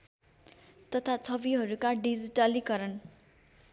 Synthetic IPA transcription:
t̪ʌt̪ʰat͡sʰʌbiɦʌɾukaɖid͡ziʈʌlikʌɾʌn

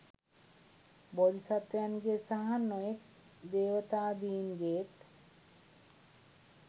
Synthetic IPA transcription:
bɔlisat̪ejanɡesaɦanːɔek | d̪ewot̪ad̪inɡeʈ

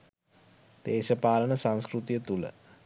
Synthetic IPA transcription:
d̪̥eːʃəpaːlənəsãnskrut̪ijət̪ulə̰

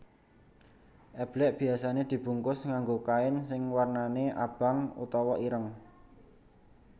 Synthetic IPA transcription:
ʔɛb̥lɛʔb̥i̤asaned̪̥i̤b̥ṳŋkʊsŋaŋɡokaɪnsɪŋwarnaneʔa̰b̥a̤ŋṵt̪ɔwɔʔiɾəŋ

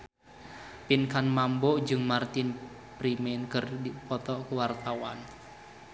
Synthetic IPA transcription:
pinkanmambɔʔd͡ʒɨŋmart̪ɪn | pɾimɛnkɨrdipɔt̪ɔkuwart̪awa̰n

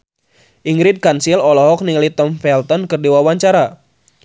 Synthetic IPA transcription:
ʔiŋɡɾid̪̚kansilɔlɔɦɔk̚niŋlit̪ɔmfɛlt̪ɔnkɨrdiwawaɲt͡ʃaɾa

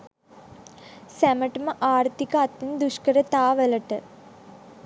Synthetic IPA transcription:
sæməʈəməʔaːɾt̪ikɐat̪ːind̪uʂkəɾət̪aːʋəlɐʈə̰

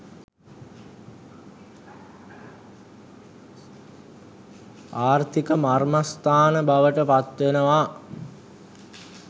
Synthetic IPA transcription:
aːrt̪ʰikəmarmast̪ʰaːnəbaʋəʈəpat̪ʋenəʋa

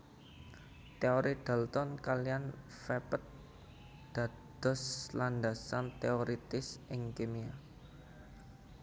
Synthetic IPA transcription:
t̪eoɾid̪̥a̤lt̪ɔnkalijan | fɛpət̪̚ | d̪̥a̤ | d̪̥ɔ̤sland̪asant̪eoɾit̪ɪsʔɪŋkemia

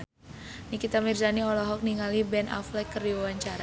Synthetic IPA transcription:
nikit̪amirzaniɔlɔɦɔk̚niŋalibɛnʔa̰flɛkːəriawaɲt͡ʃaɾa

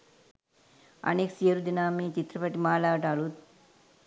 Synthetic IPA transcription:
ɐ̰neːksijɐɾud̪inaːmiːt͡ʃit̪ɾɐpɐʈimaːlaːʈaːlu

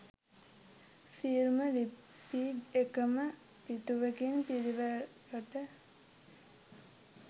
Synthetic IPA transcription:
siɾməli | piɡekəmə | pit̪uʋəkinpiɾiʋəɾoʈə

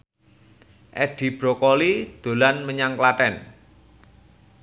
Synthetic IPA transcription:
ʔɛɖ̪̥i̤b̥ɾokɔlid̪̥o̤lanməɲaŋklat̪ɛn

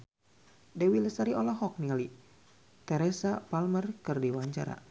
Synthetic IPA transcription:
dɛwiləsaɾiʔɔlaɦɔk̚niŋali | t̪ɛɾɛsapalmərkɨrdiwaɲt͡ʃaɾa̰

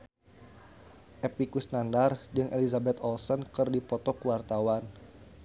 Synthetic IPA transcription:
ʔepikusnandard͡ʒɨŋʔelizabɛt̪ɔlsɔnkɨrdipɔt̪ɔkuwart̪awan

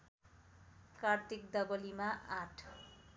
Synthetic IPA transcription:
kart̪ik̚d̪ʌbʌlimaʔaʈʰ

